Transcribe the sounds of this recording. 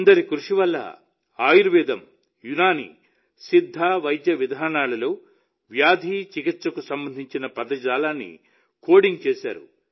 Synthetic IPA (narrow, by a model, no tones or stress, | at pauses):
nd̪ɐɾikɾuʂiʋɐlːɐ̰ | aːjuɾʋɛːd̪ɐm | junaːnḭ | sid̪ʱːaːʋɐjd̪jɐʋid̪ʱaːɳaːlɐlo̞ː | ʋjaːd̪ʱiːt͡ʃikit̪sɐkusɐmbɐnd̪ʱiɲt͡ʃinɐpɐd̪ɐd͡ʒaːlaːnːḭ | ko̞ːɽiŋɡt͡ʃeːʃa̰ːɾṵ